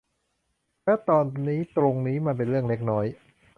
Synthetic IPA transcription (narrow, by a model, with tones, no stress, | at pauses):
lɛː˦˥t̪ɔː˧nːiː˦˥t̪ɾo˧ŋniː˦˥ma˧p̬e˧nɾɯ˥˩əŋle˦˥k̚nɔː˦˥j